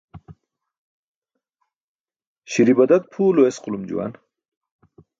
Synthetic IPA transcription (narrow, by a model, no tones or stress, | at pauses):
ɕiɾibɐd̪ɐt̪̚pʰuːloesqʊlumd͡ʒṵwa̰n